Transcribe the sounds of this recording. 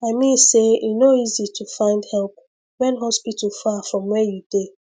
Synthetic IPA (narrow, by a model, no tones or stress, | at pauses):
aɪmĩnseinoizitʰufãɪ̃ndhɛlp̚ | wɛ̃nɦɔspitəl̩fafɹɔ̃mwɛjud̥e